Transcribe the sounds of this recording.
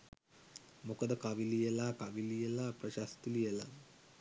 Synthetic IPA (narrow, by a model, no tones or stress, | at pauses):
mukəd̪əkaʋilijelaːkaʋilijelaprɐʃast̪ilijela